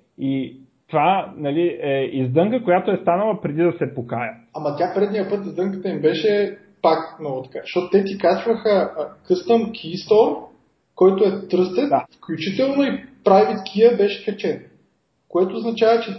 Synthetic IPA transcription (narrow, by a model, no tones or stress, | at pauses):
it̪ovanɐliɛizd̪ɤŋkəkojat̪oɛst̪anəlˠɐpɾɛd̪id̪ɐsɛpokajəɐmɐt̪ʲjapɾɛd̪nijəpɤt̪izd̪ɤŋkə̥t̪əimbɛʃɛ | paknoɡot̪ɐ̥kaʃtɔt̪ot̪ɛt̪ikat͡ʃvəxəkɤst̪əmkʲʰist̪ɔɾ | kɔjt̪oɛt̪ɾɤst̪ɛt̪fklʲut͡ʃit̪ɛlˠnoipɾavʲit̪kʰijəbɛʃɛ̥kɐt͡ʃɛn | koɛt̪oːznɐt͡ʃavɐt͡ʃɛ